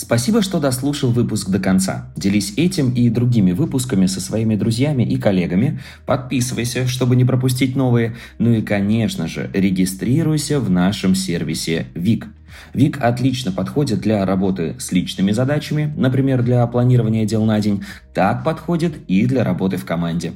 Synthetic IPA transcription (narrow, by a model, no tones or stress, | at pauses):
spɐsʲibəʂt̪o̞d̪ɐslˠuʂəlˠvɨpʊskd̪əkɐnt̪sa̰dʲɪlʲisʲɛtʲɪmid̪ɾʊɡʲimʲɪvɨpʊskəmʲɪsəsvɐimʲɪd̪ɾʊzʲjamʲɪʔɪkɐlʲe̞ɡəmʲɪ | pɐt̪̚pʲisɨvəjsʲəʂt̪o̞bɨnʲɪpɾəpʊsʲtʲit̚ʲno̞vɨjə | nuikɐnʲe̞ʂnəʐɨ̰ɾʲɪɡʲɪst̪ɾʲiɾʊjsʲəvnaʂɨmsʲervʲɪsʲɪvʲik | vʲikʰɐt̪lʲit͡ɕnəpɐt̪xo̞dʲɪt̪̚d̪lʲɐɾɐbo̞t̪ɨ̰sʲlʲit͡ɕnɨmʲɪzɐd̪at͡ɕɪmʲɪnəpɾʲɪmʲe̞rd̪lʲɐplˠɐnʲiɾəvənʲɪjədʲe̞lˠnadʲɪnʲ | t̪ak̚pɐt̪xo̞dʲɪt̪id̪lʲəɾʔɐbo̞t̪ɨfkɐmanʲdʲɪ